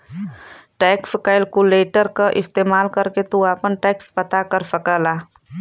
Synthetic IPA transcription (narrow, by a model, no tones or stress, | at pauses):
ʈɛːkskaɪlkuleːʈəɾkaʔɪst̪eːmaːlkəɾket̪uaːpənʈɛːkspət̪akəɾsəkəlaː